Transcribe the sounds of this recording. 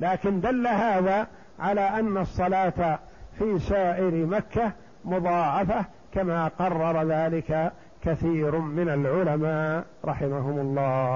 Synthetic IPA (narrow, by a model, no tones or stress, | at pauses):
laːkɪnd̪alːaɦaːðaː | ʕalaːʔanːɑsˤːɑlaːt̪a | fiːsaːʔɪɾmakːa | mʊðˤɑːʕɑfa | kamaːqɑrˤːɑɾˤɑðaːlɪka | kaθiːɾmɪnalʕʊlamaː | ɾˤɑħɪmaɦʊmʊlˤːɑː